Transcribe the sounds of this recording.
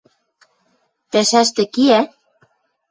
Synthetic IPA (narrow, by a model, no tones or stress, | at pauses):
p̪æʃæʃt̪ĕkiæ